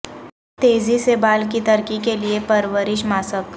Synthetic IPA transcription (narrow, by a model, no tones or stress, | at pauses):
t̪eːzisebaːlkit̪ɐɾkikeliepɐɾʋəɾɪʃmaːsəʋk